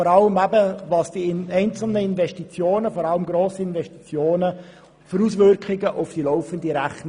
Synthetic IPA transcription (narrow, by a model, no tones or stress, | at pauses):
ɔɾɑləmæbəvɑːsd̥iɛɪnt͡sl̩nəɪnvɛstit͡sjoːnəfɔɾɑləmɡɾoːsəɪnvɛstit͡sjoːnə | fəɾusvʏɾkχɪɡəʔofd̥ilɔʊfəndiɾæχn